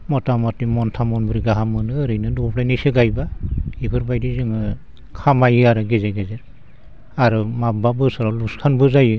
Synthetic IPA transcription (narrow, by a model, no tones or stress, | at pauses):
mɔtamɔtimɔntʰamɔnbɯɾiɡaɦamɯnɯːɾɯjnɯdɔpʰlajnisɯɡajbaibʰɯɾbajdizɯŋɯ | kʰamajɯaɾɯɡezeɡeze | aɾɯmababɯsɔɾɔluskʰanbɯzajɯ